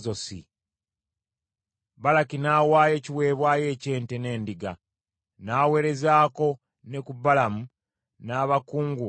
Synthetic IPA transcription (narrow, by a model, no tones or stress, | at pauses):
zo̞sḭ | balakinaːwaːje̞ːciwe̞ːβwaːje̞ːce̞ːnte̞ne̞ːndiɡa | naːwe̞ːɾe̞zaːko̞ | ne̞kubalamu | naːβakuːŋɡu